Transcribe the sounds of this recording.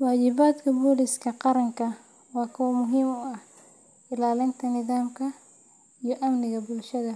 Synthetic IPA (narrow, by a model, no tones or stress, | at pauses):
waːt͡ʃɪβaːd̪kʰɐbuːlɪskʰɐqɑɾɐŋkɐ | wɑːkʰɐwɐmʊɦɪmʊɐh | ʔɪlaːlɪnt̪ʰɐnɪðaːmkʰɐ | ijɔʔɐmnɪɣɐbʊlʃɐðɐ